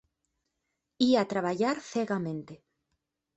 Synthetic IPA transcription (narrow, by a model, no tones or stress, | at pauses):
iat̪ɾaβaʎaɾθeɣamẽnt̪e